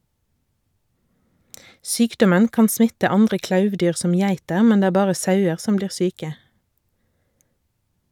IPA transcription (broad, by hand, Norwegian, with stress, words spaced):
ˈsyːkdɔmən ˈkɑːn ˈsmɪtə ˈɑndʁə ˈklɑʉʋˌdyːʁ ˈsɔm ˈjæɪtəʁ ˈmɛn ˈdeː ˈæː ˈbɑːʁə ˈsɑʉəʁ ˈsɔm ˈbliːʁ ˈsyːkə